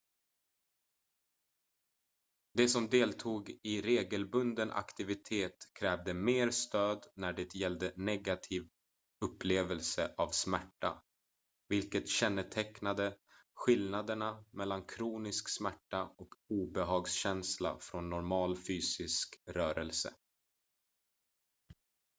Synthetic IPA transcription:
d̪ɛsɔmd̪eːlt̪ʰuːɡɪɾeːɡəlbɵnd̪ənʔa̰kt̪ɪvɪt̪ʰeːt̪kʰɾɛːvd̪əmeːɾst̪øːd̪næɖɛt̪jɛld̪ənɛɡat̪ʰiːv | ɵpːleːvəlsəʔavsmæʈːa̰ | vɪlkət̪ɕɛnːət̪ʰɛknad̪əɧɪlnad̪əɳamɛlːankʰɾuːnɪsksmæʈːaɔkuːbɛɦɑːɡsɕɛnsla̰fɾɔnːɔɾmɑːlfyːsɪskɾœːɾɛlsə̰

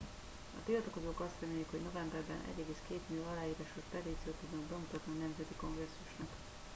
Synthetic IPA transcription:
ɒ̰t̪ilt̪ɒko̞zoːkɒst̪rɛmeːjikhoɟno̞vɛmbɛrbɛnʔɛ̰ɟɛɡeːskeːt̪mijoɒlaːjiːɾaːʃost̪ɛd̪iːt̪sijoːt̪uɟ̪ːobɛmut̪ɒt̪niɒnɛmzɛt̪iko̞ŋɡrɛsːuʃnɒk

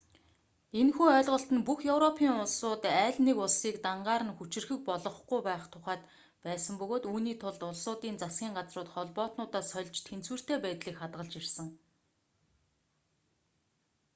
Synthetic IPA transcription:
enxuːœːɮʁɞ̆ɬt̪ə̆npuxjewrɔpʰiːŋʊɮsʊːt̪æːɮʲnekʊɮsiːkt̪aɴɢaːɾə̆nxut͡ɕɪ̆rxɘ̆k̚pɔɮɞ̆χɡujpæːχt̪ʰʊχæːt̪ | pæːsə̆mpɵɣoːt̪uːniːt̪ʰʊɮt̪ʊɮsʊːt̪iːnt͡sasɡʲiːŋɢat͡srʊːt̪χɔɮpɔːt̪nʊːt̪aːsœɮt͡ɕt̪ʰent͡swɘ̆r̥t̪eːpæːt̪ɮiːkχat̪ɢə̆ɮt͡ɕirsə̆ŋ

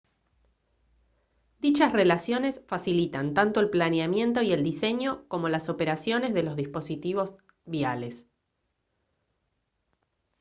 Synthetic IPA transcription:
d̪̥it͡ʃasre̞lasjo̞ne̞sfasilit̪ant̪ant̪oelplaneamje̞nt̪o̞ie̞ld̪ise̞ɲo̞ko̞mo̞laso̞peɾasjo̞ne̞zðe̞lo̞zðispo̞sit̪iβo̞z | βiales

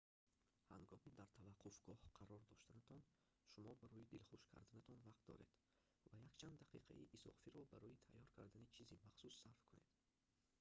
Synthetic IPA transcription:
ha̰ŋɡɔmid̪aɾt̪ʰavaqʰːufɡɔhqʰaɾɔɾd̪ɔʃt̪anat̪ʰɔn | ʃumɔbaɾɔjid̪ilχuʃkʰa̰ɾd̪anat̪ʰɔnvaqt̪̚d̪ɔ̰ɾe̞̰d̪̥ | vajakt͡ʃʰand̪ːaqḭqʰa̰iʔisɔ̰fiɾɔbaɾɔjit̪ʰa̰jːɔɾkʰa̰ɾd̪anit͡ʃʰizimaχsusːaɾfkʰune̞̰d̪̥

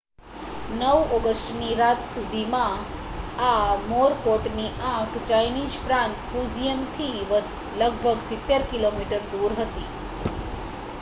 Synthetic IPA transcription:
nəʋɔɡəsʈniɾat̪sud̪ʱimã | amoɾkoʈniʔãkt͡ʃajnid͡ʒpɾãnt̪fuzijənt̪ʰiʋə | ləɡbʱəɡsɪt̪ːeɾkilomiʈəɾd̪uɾɦət̪i

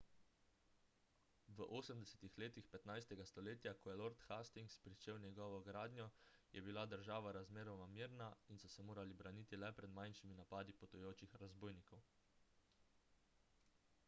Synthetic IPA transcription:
ʋəʔoːsəmd̪ɛsɛt̪ixleːt̪ixpɛt̪najst̪ɛɡast̪ɔleːt̪jakɔjɛloɾt̪xast̪iŋkspɾit͡ʃeːwnʲjɛɡɔːʋɔɡɾaːd̪njɔjʔɛbilad̪əɾʒaːʋaɾazmeːɾɔwnamiːɾnainsɔsɛmoːɾalibɾaniːt̪ilɛpɾɛd̪majnʃiminapaːd̪ipɔt̪ujoːt͡ʃixɾazboːjnikɔw

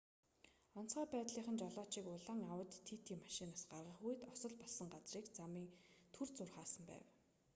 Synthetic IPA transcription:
ɔn̥t͡sχaːpæːt̪ɮiːχə̆nt͡ɕɔɮɔːt͡ɕiːkʊɮaːŋawə̆t̪ʰːit̪ʰiːmaʃɪnaːsɢarʁə̆χuj̆t̪ɔsɞ̆ɮpɔɮsə̆ŋɢat͡sriːkt͡samiːŋt̪ʰurt͡sʊrχaːsə̆mpæ̰ːw

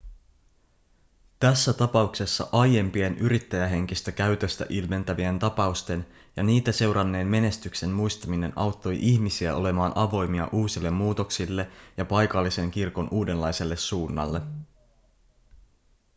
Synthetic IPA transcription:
t̪æsːæt̪ɑpɑukse̞sːɑ̰ʔɑje̞mpie̞nʔyɾit̪ːæjæɦe̞ŋkist̪ækæyt̪øst̪æ̰ʔilme̞nt̪æʋient̪ɑpɑust̪e̞n | jɑniːt̪æse̞wɾɑnːe̞ːnme̞ne̞st̪ykse̞mmujst̪ɑmine̞nʔɑwt̪ːo̞jʔiçmisiæo̞le̞mɑːnʔɑʋo̞jmiɑ̰ʔuːsilːe̞mːuːt̪o̞ksilːe̞jɑpɑjkɑlːise̞ŋkirko̞nʔuːde̞nlːɑjse̞lːe̞sːuːnːɑ̰lːe̞

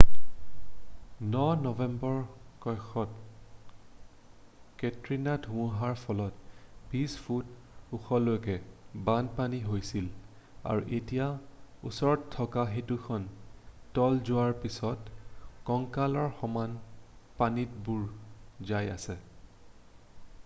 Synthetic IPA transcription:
nɔnɔvɛmbɔɹkɔjxɔt | ketɹinadʱũɦaɹpʰɔlɔt̚bispʰut | uxɔlojkɛbanpaniɦojsil | a̰ɹuʔetijaṵsɔɹɔttʰːɔkaɦetukʰɔntɔlzʊaɹpisɔtkɔŋkalɔɹxɔmanpanitbuɹzaja̰sɛ

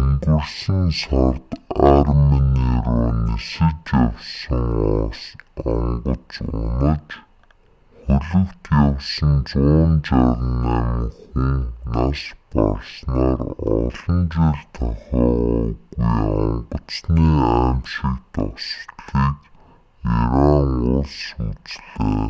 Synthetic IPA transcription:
ŋɡŭrsinsɔrt̪arminiɾuːnesɘ̆tjawsə̆ŋ | ɔŋɢə̆t͡sʊnə̆t͡ɕ | χʊɮə̆kt̪jawsə̆nt͡sʊːnt͡ɕaɾniŋxunnaʃpa̰rsnaːrɔɮə̆nt͡seɮt̪ʰɔχɔːʊɣujɔmpə̆t͡sniːaːmʃĭkt̪ɔsɮiːt͡ɕ | jaɾaːmʊsʊt͡sɮaː

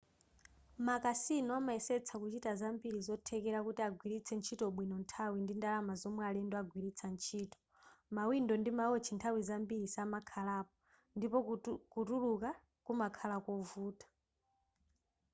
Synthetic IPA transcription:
makasinɔamaɛsɛt͡sʰakut͡ʃitazambiɾizɔtʰɛkɛɾakutiaɡʱwiɾit͡sʰɛnt͡ʃʰitɔɓwinɔntʰawindindalamazɔmwɛalɛndɔaɡʱwiɾit͡sʰant͡ʃʰiːtɔ̥ | mawindɔndimaɔt͡ʃʰintʰawizambiɾisamakʰalaːp̚ɔ | ndipɔkutuluka | kumakʰalakɔvuːtḁ

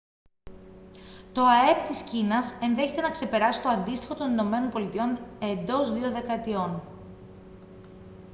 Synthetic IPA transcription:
t̪o̞ɐe̞pt̪iscinɐse̞nðe̞çe̞t̪e̞nɐkse̞pe̞ɾɐsi̥t̪o̞ɐnd̪ist̪i̥xo̞t̪o̞nino̞me̞nonpo̞lit̪io̞ne̞nd̪o̞zðio̞ðe̞kɐet̪io̞n

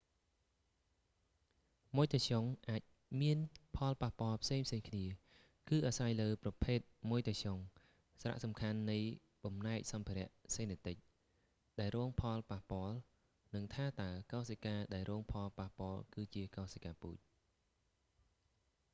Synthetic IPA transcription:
muəjt̪asoŋʔaːc̚ | miənpʰɑlpahpŏəlpʰseːŋpʰseːŋkʰniə | kɨːʔaːsajləːprɑpʰeːt̪̚muəjt̪asoŋ | saɾa̰ʔsɑmkʰanːɨj | ɓɑmnaɛk̚sɑmpʰiɾɛ̆əʔseːnet̪ɨc̚ | ɗaɛlrɔːŋpʰɑlpahpŏəl | nɨŋt̪ʰaːt̪aəkɑsekaːɗaɛlrɔːŋpʰɑlpahpŏəlkɨːt͡ɕiəkɑːsakaːpṵːc̚

